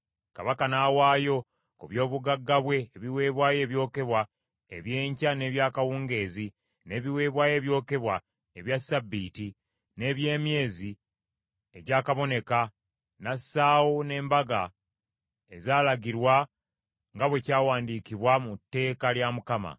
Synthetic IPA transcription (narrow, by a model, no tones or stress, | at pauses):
ka̰βakanaːwaːjo̞ | kuβjo̞ːβuɡaɡːaβwe̞ːβiwe̞ːβwaːje̞ːβjo̞ːke̞βwa | eβje̞ːɲcane̞ːβjaːkawuːŋɡe̞ːzi | ne̞ːβiwe̞ːβwaːje̞ːβjo̞ːke̞βwa | eβjasːabːiːti | ne̞ːβje̞ːmje̞ːzi | eɟaːkaβo̞ne̞ka | nasːaːwone̞ːmbaɡa | ezaːlaɡiɾwa | ŋɡaβwe̞caːwaːndiːkiβwamutːe̞ːkaljamukama̰